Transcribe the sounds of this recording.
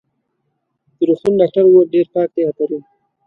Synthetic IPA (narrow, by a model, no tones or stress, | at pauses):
d̪̥əɾuxt̪unɖɑk̚ʈaɾwoɖeɾpɑk̚d̪eap̪aɾi